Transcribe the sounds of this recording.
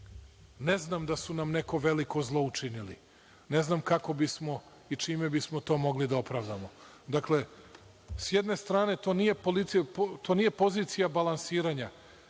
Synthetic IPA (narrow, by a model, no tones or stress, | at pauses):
ne̞znamd̪asunamne̞ko̞ʋe̞liko̞zlˠo̞ut͡ʂinilḭ | ne̞znamkako̞bismo̞ | it͡ʂiːme̞bismot̪o̞ːmo̞ɡlid̪aopɾaʋd̪amo̞ | d̪akle̞ | sjed̪ne̞st̪ɾaːne̞t̪o̞ːnije̞polit̪spt̪oːnije̞po̞ziːt̪sijabalansiːɾaɲa